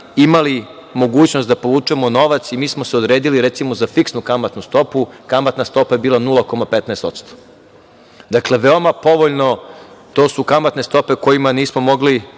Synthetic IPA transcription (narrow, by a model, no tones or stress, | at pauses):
imali | mo̞ɡuːt͡ɕnost̪d̪apo̞ʋuːt͡ʂuemono̞ʋat̪simiːsmo̞seod̪ɾe̞ːd̪iliɾet̪simozafiksnukamat̪nust̪o̞pukamat̪nast̪o̞paje̞biːlanulˠako̞mapet̪nɛːst̪o̞t̪st̪o̥ | d̪akle̞ʋeo̞mapo̞ʋo̞ʎno̞t̪oːsukamat̪ne̞st̪o̞pe̞ko̞jimaniːsmo̞mo̞ɡli